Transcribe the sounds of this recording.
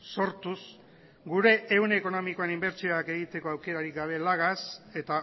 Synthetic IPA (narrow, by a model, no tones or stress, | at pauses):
so̞ɾt̪us | ɡuɾe̞ʔːwneːko̞no̞miko̞enimbe̞ɾt͡ʃio̞ake̞ɣit̪e̞ko̞awke̞ɾaɾikɡaβ̞e̞laɣ̞ase̞t̪a